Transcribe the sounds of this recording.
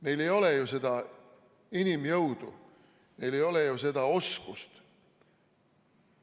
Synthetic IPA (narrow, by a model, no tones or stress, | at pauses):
me̞jle̞jo̞lejuse̞d̪̥ɑ | inimjɤwd̪̥ṵ | me̞jle̞jo̞lejuse̞d̪̥ɑo̞skust̪